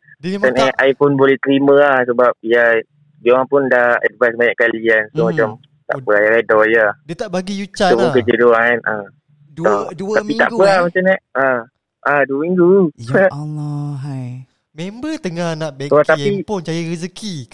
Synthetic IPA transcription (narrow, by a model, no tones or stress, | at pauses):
t̪anɛʔajfɔnbolɛht̪əɾiməlahsəbap̚ija | d͡ʒoaŋpʊndahɛ̰d̚basmaɲaʔkaliansomat͡ʃam | t̪a̰ʔpəajaadɔjadt̪abaɡijuupʊnkəd͡ʒədoanʔa | ɔt̪ait̪a̰ʔpəamat͡ʃanaʔa | ʔaduəmiŋɡu | membət̪əŋanaʔbɛat̪aipunt͡ʃajəɾisəki